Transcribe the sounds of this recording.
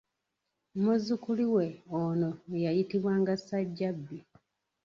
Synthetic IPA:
muzukuliwe̞onoejajitiβwaːŋɡasaɟːabːi

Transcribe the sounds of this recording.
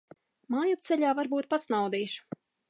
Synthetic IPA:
maːjup̚t̪sɛʎʲaːvaɾbuːt̪̚pasnawd̪iːʃu̥

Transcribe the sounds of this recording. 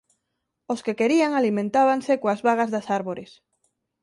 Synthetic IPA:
oskekeɾiaŋalimẽnt̪aβaŋsekoazβaɣazðasaɾβoɾes

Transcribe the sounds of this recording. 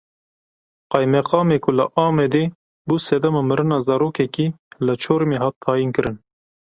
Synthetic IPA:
qɑjmɛqɑːmeːkʰʊləʔɑːmɛd̪eː | buːsɛd̪ɛmɑmɨɾɨnɑːzɑɾoːkɛkiː | lɨt͡ʃʰoːɾmeːɦɑːt̪ʰːɑːjinkɨɾɨn

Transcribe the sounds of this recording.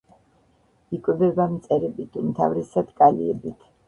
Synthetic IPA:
ikʼwɛbɛbamt̪sʼɛɾɛbit̪ʰumt̪ʰa̰vɾɛsad̪kʼalḭɛbit̪ʰ

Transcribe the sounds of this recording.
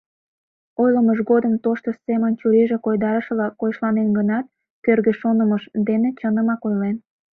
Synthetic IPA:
ojləməʃɣod̪əmt̪oʃt̪osemənt͡ɕuɾiʒekojd̪ɑɾəʃlɑkojʃlɑnenɡənɑt̪̚ | kørɣeʃonəməʃd̪enet͡ɕənə̆mɑkojlen

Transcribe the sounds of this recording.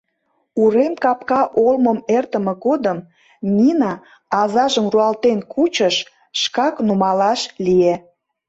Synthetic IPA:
uɾemkɑp̚kɑʔolməmert̪əmeɣod̪əm | nʲinɑː | zɑʒəmruɑlt̪enkut͡ɕəʃ | ʃkɑknumɑlɑʃlije

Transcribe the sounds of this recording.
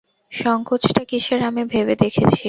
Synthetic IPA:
ʃɔŋkot͡ɕʰʈakiʃeɾamebʱebed̪ekʰet͡ɕʰi

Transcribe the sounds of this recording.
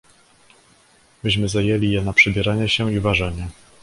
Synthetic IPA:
bɘɕmɘzajɛlʲijɛnapʂɛbʲjɛɾaɲɛɕɛivaʐɛɲɛ

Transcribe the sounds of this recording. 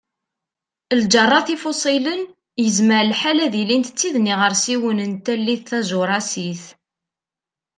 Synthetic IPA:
ld͡ʒərˤːɑθifosˤilən | jəzməɾlħalæðilint̪ət͡sːiðniʁəɾsiwənənt̪ælːiðθæzʊɾˤɑsiθ

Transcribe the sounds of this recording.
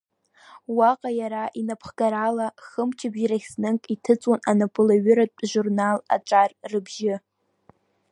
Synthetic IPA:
waqʼajaɾaʔinapʰχɡaɾalaχəmt͡ʃʰabɾaχʲsnɨŋkʼitʰɨt͡sʼwananapʼʊlaɥʏɾatʷʼʒurnala̰t͡ʃʷʼarrɨbʒɪ

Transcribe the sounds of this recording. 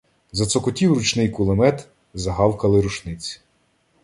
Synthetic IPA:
zɐt̪sɔkɔtʲiwrʊt͡ʃnɪjkʊlˠɔmɛt̪ | zɐɦɑwkɐlˠɪɾuʃnɪt͡sʲi̥

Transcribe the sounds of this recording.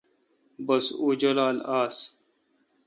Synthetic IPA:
bɐsuːd͡ʑɐlaːlaːs

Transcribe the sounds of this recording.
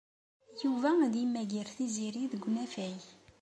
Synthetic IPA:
juvæðimːæʝiɾθiziɾiðəɡʷːnæfæj

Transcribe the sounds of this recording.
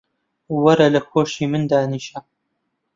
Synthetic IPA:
wɐɾɐlɐxoːʃiːmɨnd̪aːniːʃɐ

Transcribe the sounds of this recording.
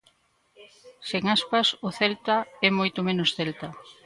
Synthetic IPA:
seŋaspasʊθɛlt̪aɛmojt̪omenʊsθelt̪a

